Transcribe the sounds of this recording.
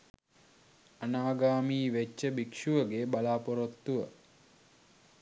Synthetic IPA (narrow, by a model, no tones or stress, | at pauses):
anaːɡaːmiːʋet͡ʃːəbikʂuʋəɡebalaːpoɾot̪ːuʋə